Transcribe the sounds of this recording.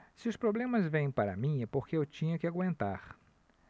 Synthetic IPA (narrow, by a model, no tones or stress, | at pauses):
sɪʊspɾoblẽmɐzvẽj̃paɾɐ̰mĩɛpoɾkeewt͡ʃĩɲɐkɪaɡwẽnt̪aɾ